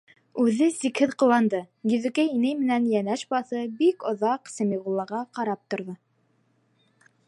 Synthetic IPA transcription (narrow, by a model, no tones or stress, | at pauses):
ʉðɘsikhɘðqŏwɑnd̪ɤ | jɵ̆ðɵ̆kæinɘjmɘ̆nænjænæʃbɑθɤbikŏðɑqsɘ̆miʁulˠːɑʁɑqɑɾɑp̚t̪ŏɾðɤ